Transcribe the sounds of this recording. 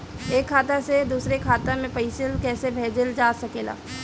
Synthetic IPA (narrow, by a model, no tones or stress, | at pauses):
eːkʰːaːt̪ased̪uːsɾekʰaːt̪amẽpəɪsəlkɛːsebʱeːd͡ʒəld͡ʒaːsɐkeːla̰ː